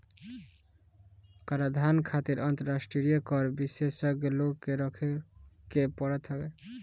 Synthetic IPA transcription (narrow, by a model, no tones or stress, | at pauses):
kaɾad̪ʱankʰat̪iɾʌnt̪əɾasʈɾiɾijəkɔɾbisesəkloɡkeɾɔkʰekepɔɽɛt̪ʰɔɡe